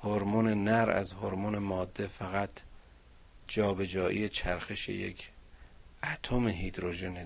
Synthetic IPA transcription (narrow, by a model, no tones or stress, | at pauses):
hoɾmonenæɾæ̰zhoɾmonemɒːd̪ːe̞fæɣæt̪ʰ | d͡ʒɒːbe̞d͡ʒɒːʔḭjet͡ʃʰæɾxeʃḛjḛkʰ | ʔæt̪ʰomeɦid̪ɾoʒene